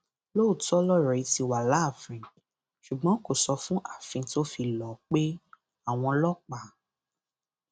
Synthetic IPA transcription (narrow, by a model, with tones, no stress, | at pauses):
lo˦˨tɔ˦lɔ˦˨ɾɛ˨i˨˧ti˧wa˨la˨˦˨fĩ˧ | ʃu˨ɡ͡bɔ̃˨˦ko˨sɔ˧fũ˦ʔa˦˨fĩ˧to˦fi˧lɔ˨˦k͡pe˦ | a˦˨w̃ɔ̃˧lɔ˦k͡pa˨